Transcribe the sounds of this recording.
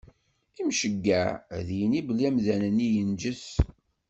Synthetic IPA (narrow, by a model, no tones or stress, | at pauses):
imʃəɡːæðjənibəlæmðænənːijənd͡ʒəθ